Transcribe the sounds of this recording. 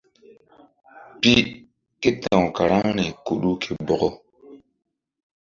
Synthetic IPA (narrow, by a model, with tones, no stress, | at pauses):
pi˦ | ke˦tã˨õ˨ka˨ɾa˦ŋne˨ku˨ɗu˦kʰe˨bɔ˨ɡɔ˦